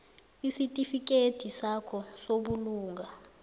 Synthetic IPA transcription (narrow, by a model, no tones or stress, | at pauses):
isitʼifik̬ʼed̥ʱisakʰɔsoɓuluːŋɡʱa